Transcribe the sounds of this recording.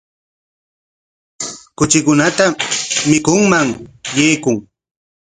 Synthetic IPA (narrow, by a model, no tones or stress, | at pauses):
kʊt͡ʃɪkʊnat̪amɪkʊŋmaŋjejkʊŋ